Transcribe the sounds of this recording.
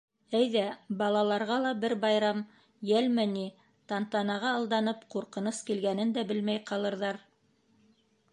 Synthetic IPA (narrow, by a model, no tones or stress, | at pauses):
æjðæbɑlˠɑlˠɑɾʁɑlˠɑbɘɾbɑjɾɑm | jælmɘni | t̪ɑnt̪ɑnɑʁɑːlˠd̪ɑnɤpquɾqɤ̆noskilɡænɘnd̪æbɘlmæjqɑlˠɤ̆ɾðɑɾ